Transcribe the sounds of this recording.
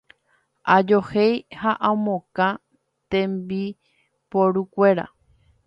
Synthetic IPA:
ʔad͡ʒohejhaʔãmõkã | t̪ẽmbi | poɾukʷe̞ɾa̰

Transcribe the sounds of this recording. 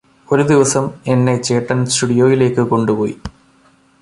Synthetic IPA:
o̞ɾud̪iʋɐsɐme̞nːe̞t͡ɕe̞ːʈːɐnsʈuɽijo̞ːjile̞ːkːɨko̞ɳɖupo̞̰ːjḭ

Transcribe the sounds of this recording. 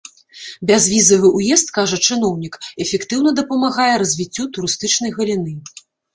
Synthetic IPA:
bʲazvʲizɐvɨʔujɛst̪̚kaʐɐt͡ʂɨnɔwnʲikɛfʲɛkt̪ɨwn̪ɐd̪ɐpɐmaɣajɛɾɐzʲvʲit͡sʲːut̪uɾɨst̪ɨt͡ʂnɐjɣɐlʲin̪ɨ

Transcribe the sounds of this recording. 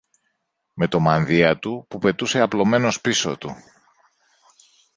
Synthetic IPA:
me̞t̪o̞mɐnðiɐt̪upupe̞t̪use̞ɐplo̞me̞no̞spiso̞̰t̪u

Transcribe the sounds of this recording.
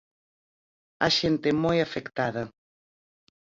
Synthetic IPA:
aʃent̪ɪmojafekt̪aðɐ

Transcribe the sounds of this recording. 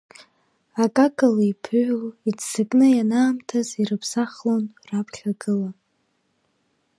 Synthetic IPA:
akʼakʼalipʰɨɥʷᶣlidsɨkʼnɨjanaːmtʰazirɨpʰsaχlonrapʰχʲaɡɨla

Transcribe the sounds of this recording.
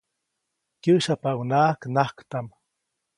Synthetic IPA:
kjəʃapawnaːknahkt̪am

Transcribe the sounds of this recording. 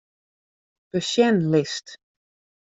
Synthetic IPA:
b̥əʃjɛnlɪst

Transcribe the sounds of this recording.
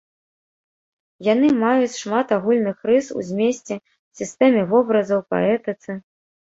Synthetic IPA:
jan̪ɨmajut͡sʲʂmat̪aɣulʲnɨxrɨsṵzʲmʲesʲt͡sʲɛ | sʲist̪ɛmʲɛvɔbɾɐzɐwpa̰ɛt̪ɨt̪sɨ

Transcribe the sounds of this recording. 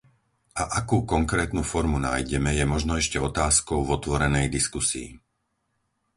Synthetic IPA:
ʔaʔakuːkɔŋkɾɛːt̪nufɔɾmuna̰ːjɟɛmɛjɛmɔʒnɔɛʃcɛɔt̪aːskɔʊvɔt̪ʋɔɾɛnɛjd̪iskusḭː

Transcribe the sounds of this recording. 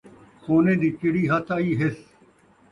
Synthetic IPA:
koːnẽːd̪iːt͡ʃɪɽiːɦət̪ʰaːiːɦɪs

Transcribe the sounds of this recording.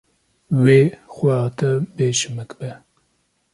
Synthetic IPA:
weːxwɛɑːt̪ʰɛbeːʃɨmɨkbɛ

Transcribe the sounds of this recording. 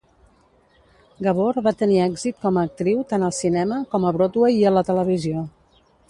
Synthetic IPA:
ɡəβ̞oɾβat̪əniɛɡzit̪̚kɔməːk̚t̪ɾiwt̪anəlˠsinɛməkɔməβɾot̪wejiələt̪ələβ̞izio

